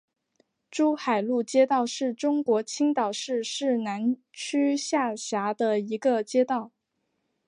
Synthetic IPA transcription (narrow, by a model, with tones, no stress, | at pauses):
ʈ͡ʂu˥xa˨˩ɪlu˥˩t͡ɕjɛ˥t̪ɑ˥˧ʊʂɻ̩˥˩ʈ͡ʂʊ˥ŋkwɔ˧˥t͡ɕʰi˥ŋt̪ɑ˨˩ʊʂɻ̩˥˧ʂɻ̩˥˩na˧˥n | t͡ɕʰy˥ɕja˥˩ɕja˧˥d̪ə˧i˧˥ɡə˧t͡ɕjɛ˥t̪ɑ˥˩ʊ